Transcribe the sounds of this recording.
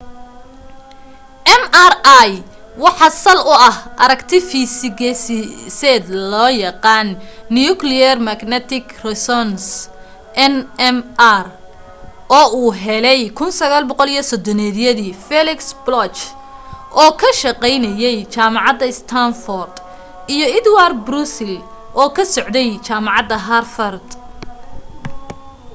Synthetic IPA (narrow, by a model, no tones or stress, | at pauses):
ʔɛmaraj | wɑħɑsɐlʊɐhʔɐɾɐɡt̪ʰɪfisɪɡɛssɛːd̪lɔːjɑqɑːnːijʊklɪjɐrmɐɡnɛt̪ʰɪɡrɛsɔns | ʔɛnɛmr | ʔɔːuːɦɛlɛjkʰʊnsɐɣaːlbɔqɔlijɔsɔd̪ɔnɛːðjɐðiːfɛlɪksblɔt͡ʃ | ʔɔːkʰɐʃɑqɛjnɐjɛjt͡ʃaːmɑʕɑd̪ɐɪst̪ʰanfɔrd̪ | ijɔɪd̪ward̪bɾusɪl | ʔɔːkʰɐsɔʕd̪ɛjt͡ʃaːmɑʕɑd̪ɐɦɐrfɐrd̪